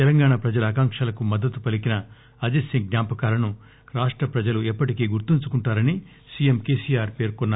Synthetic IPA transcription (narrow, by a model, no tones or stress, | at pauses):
t̪ɛlɐŋɡaːɳapɾɐd͡ʒɐlɐːkaːŋkʂaːlɐkumɐd̪ːɐt̪upɐlikinɐ | ɐd͡ʒesiŋɡnaːpɐkaːlɐnu | ɾaːʂʈɾɐpɾɐd͡ʒɐluɛpːɐʈikeːɡuɾt̪iɲt͡ʃukuɳʈaːɾɐni | sijemke̞ːsiːjaːɾpe̞ːɾkonːa